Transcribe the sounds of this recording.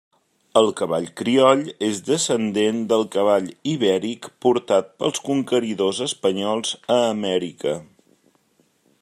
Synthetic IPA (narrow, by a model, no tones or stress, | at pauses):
əlˠkəβa̰ʎkɾiɔʎezd̪əsənd̪end̪əlˠkəβ̞aʎiβɛɾikpuɾt̪at̪̚pə̰lˠskuŋkəɾiðozəspəɲɔlˠzəːmɛɾikə